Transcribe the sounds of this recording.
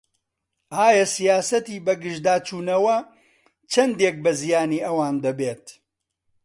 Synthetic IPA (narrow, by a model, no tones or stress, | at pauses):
ʔaːjɐsijaːsɐt̪iːbɐɡɨʒd̪aːt͡ʃuːnɐwɐ | t͡ʃʰɐnd̪eːk̚bɐzijaːniːʔɐwaːnd̪ɐbeːt̪